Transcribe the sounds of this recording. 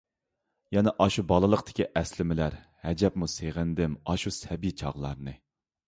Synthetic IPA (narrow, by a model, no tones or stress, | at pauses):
jɛnɛʔɑʃubɑlˠɨlˠəqt̪ʰɪ̥kʲʰiʔɛslɪmɪlæɾ | hɛd͡ʒɛpmuseʁɪnd̪ɪmɑʃusɛbit͡ʃʰɑ̰ʁlˠɑ̰ɾnɨ